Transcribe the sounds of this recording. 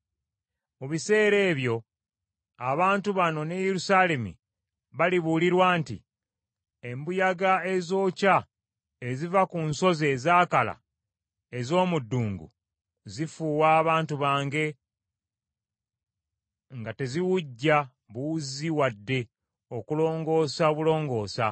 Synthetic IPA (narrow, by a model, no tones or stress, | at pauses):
muβise̞ːɾe̞ːβjo̞ | aβaːntuβano̞ne̞jeɾusaːle̞mḭ | βaliβuliɾwaːntḭ | embujaɡae̞zo̞ːca | ezivakunso̞ze̞zaːkala̰ | ezo̞ːmudːuːŋɡṵ | zifuːwaːβaːntuβaːŋɡe̞ | ŋɡate̞ziwuɟːa | βuuziwadːe̞ | o̞kulo̞ːŋɡo̞ːsaoβulo̞ːŋɡo̞ːsa